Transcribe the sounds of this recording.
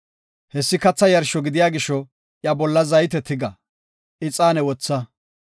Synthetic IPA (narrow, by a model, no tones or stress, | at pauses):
hɛsːɪkɐt͡sːɐjɐɾʃɔɡɪd̪ɪjaːɡɪʃːɔ | ʔjɐbɔlːɐzɐjt̪ɛt̪ːɪɡɐ | ʔɪt͡sʼaːnɛwɔt͡sːɐ